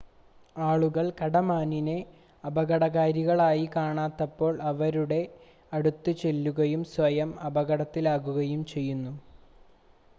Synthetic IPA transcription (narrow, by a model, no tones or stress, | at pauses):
aːɭuɣɐɭkɐɽɐmaːnine̞ | ɐbɐɣɐɽɐɣaːɾiɣɐɭaːjikaːɳaːt̪ːɐpːo̞ːɭɐʋɐɾuɽe̞ | ɐɽut̪ːɨt͡ɕe̞lːuɣɐjumsʋɐjɐmɐbɐɣɐɽɐt̪ːilaːɣuɣɐjumt͡ɕe̞jːunːu